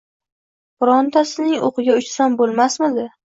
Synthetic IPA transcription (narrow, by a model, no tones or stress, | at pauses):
bʊɾɒnt̪ʰasɪnɪŋo̰qɨɡʲaʊt͡ʃsambolˠmasmɪd̪ɪ